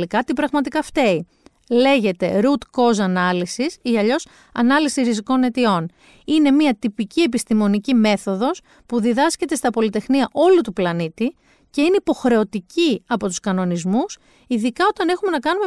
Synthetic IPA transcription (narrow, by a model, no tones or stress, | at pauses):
ikɐt̪ibɾɐɣmɐt̪ikɐft̪e̞i | le̞ʝe̞t̪e̞ɾut̪ko̞zɐnɐlisisiɐʎo̞s | ɐ̰nɐlisiɾiziko̞ne̞t̪io̞n | ine̞miɐt̪ipicie̞pist̪imo̞nicime̞θo̞ðo̞s | puðiðɐsce̞t̪e̞st̪ɐpo̞lit̪e̞xniɐʔo̞lut̪uplɐnit̪i | ce̞ine̞ipo̞xɾe̞o̞t̪iciɐpo̞t̪u̥skɐno̞nizmus | iðikɐo̞t̪ɐne̞xume̞nɐkɐnume